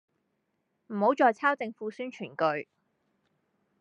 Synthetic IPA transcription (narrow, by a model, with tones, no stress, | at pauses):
m̩˨˩ho˨˥wt͡ʃɔː˨˧jt͡sʰaː˥wt͡sɪ˧ŋfuː˨˥syː˥nt͡ʃʰyː˨˩nkɵ˧ɥ